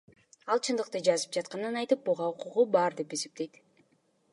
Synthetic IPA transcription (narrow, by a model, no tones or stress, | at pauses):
ɑlˠt͡ʃʰɯnd̪ɯqt̪ɯd͡ʒɑzɯp̚d͡ʒɑt̪̚qɑnɯnɑjt̪ɯp̚buʁɑuquʁubɑɾd̪e̞pe̞se̞p̚t̪e̞jt̪